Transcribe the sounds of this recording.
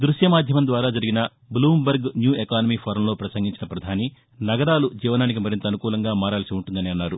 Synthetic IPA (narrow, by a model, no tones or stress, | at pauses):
d̪ɾuʃjɐmaːd̪ʱjɐmɐnd̪ʋaːɾaːd͡ʒɐɾiɡinɐ | bluːmbɐɾɡnjuːekaːnɐmiːpʰɐɾɐmloːpɾɐsɐŋɡiɲt͡ʃinɐpɾɐd̪ʱaːni | nɐɡɐɾaːlud͡ʒiːʋɐnaːnik̬imɐɾint̪ɐːnukuːlɐŋɡaːmaːɾaːlsiuɳʈund̪ɐneːɐnːaːɾu